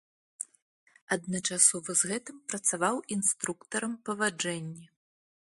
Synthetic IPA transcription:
ɐd̪nɐt͡ʂasɔvɐzɣɛt̪ɨmpɾɐt̪savawinst̪ɾukt̪ɐɾɐmpɐvad͡ʐɛnʲːɛ

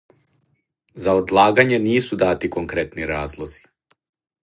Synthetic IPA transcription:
zaod̪lˠaːɡaɲeniːsud̪aːt̪ikoŋkɾet̪niɾaːzlˠoz̥i̥

